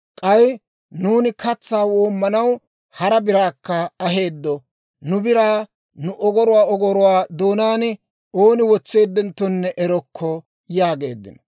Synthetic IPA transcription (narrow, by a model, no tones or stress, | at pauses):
kʼɐj | nuːnɪkɐt͡sːaːwo̞ːmːɐnɐw | hɐɾɐbɪɾaːkːɐɐɦe̞ːd̪ːɔ | nʊbɪɾaː | nʊʔɔɡɔɾʊwaːɔɡɔɾʊwaːd̪oːnaːnɪ | o̞ːnɪwɔt͡sːe̞ːd̪ːɛnt̪ːɔnːɛʔɛɾɔkʰːɔ | jaːɡe̞̰ːd̪ːɪ̰nɔ